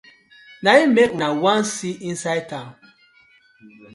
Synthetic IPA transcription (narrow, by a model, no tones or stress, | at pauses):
naimek̚nawãnsiʔĩnsaj̚tãm